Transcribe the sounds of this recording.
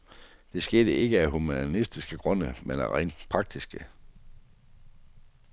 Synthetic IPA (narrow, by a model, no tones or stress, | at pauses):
d̥e̝sɡ̥e̝ːd̥əʔe̝ɡ̥əæɦumænisd̥isɡ̥əɡ̥ʁɔ̽n̰əmenæ̰ʁɛ̰ɪn̥pʰʁɑ̈ɡ̥̚d̥isɡ̥ə